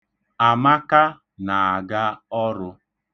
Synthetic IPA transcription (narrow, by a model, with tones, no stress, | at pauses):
a˨ma˦ka˦ | na˨a˨ɡa˦ɔ˦ɾʊ˦